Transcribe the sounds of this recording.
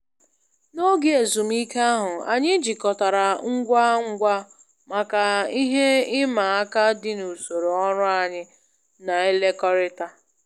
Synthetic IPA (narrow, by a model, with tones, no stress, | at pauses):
no˦ɡe˦e˨zu˨m̩˦i˦ka˦ɦʊ˨a̰˨ɲɪ˦d͡ʒi˨kɔ˨ta˨ɾa˨ŋ̩˦ɡʷa˦ŋ̩˦ɡʷa˦ | ma˨ka˨i˦ɦe˦ɪ˦ma˨a˦ka˦dɪ˦nu˨so˨ɾo˨ɔ˦ɾʊ˦a˨ɲɪ˦ | na˨e˦le˦kɔ˦ɾɪ˦ta˦